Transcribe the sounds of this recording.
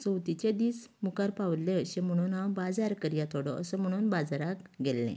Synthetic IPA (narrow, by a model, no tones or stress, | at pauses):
t͡səwt̪it͡ɕed̪iːs | mukaɾpawlleɕẽm̤əɽ̃uːnɦãwbad͡zaɾkəɾijat̪ʰɔɽɔʔəsəm̤əɽ̃uːnbad͡zaɾakɡɛlːḛ̃